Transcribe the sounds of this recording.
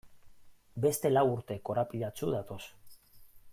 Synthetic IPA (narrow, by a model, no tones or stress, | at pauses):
be̞st̪e̞lawuɾt̪e̞ko̞ɾapiðat͡suðat̪o̞s